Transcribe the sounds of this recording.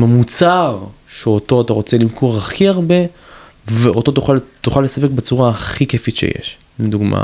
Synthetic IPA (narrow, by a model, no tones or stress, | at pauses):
mamut͡saʁʃeo̞to̞ataʁo̞t͡se̞limkʰoʁaχiaʁbe̞ | veʔo̞to̞t̪uχalt̪uχalːe̞sapek̚bet͡suʁaːχikefitʃḛjḛʃ | med̪uɡma̰